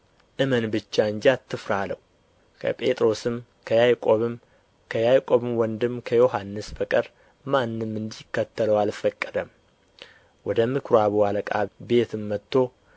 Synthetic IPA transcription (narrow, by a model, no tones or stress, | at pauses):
ʔɨmənbɨt͡ʃːaɨɲd͡ʒat̪ʰːɨfɾalə̰w | kʰə̰pʼe̞t̪ʼɾo̞sɨm | kʰəjajkʼo̞βɨm | kʰəjajkʼo̞βɨmwɔnd̪ɨmkʰəjo̞ɦanːɨsbəkʼəɾ | manːɨmːɨnd̪ikːət̪ʰːələwalfəkʼːəd̪əm | wɔd̪əmɨkʰɾoaβualəkʼabe̞t̪ʰɨmːət̪ʰːo̞